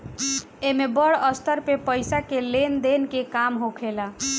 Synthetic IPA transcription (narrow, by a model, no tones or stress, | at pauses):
emebəɽəst̪əɾpepəjsakelend̪enkekamɦokʰela